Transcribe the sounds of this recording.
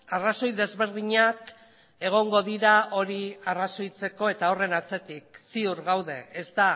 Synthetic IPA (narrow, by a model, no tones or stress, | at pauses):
araso̞jðe̞zβe̞ɾð̞iɲak | e̞ɣ̞o̞ŋɡo̞ðiɾao̞ɾiaraso̞jt͡se̞ko̞e̞t̪ao̞re̞nat͡se̞t̪ik̚siuɾɣawðe̞ːst̪a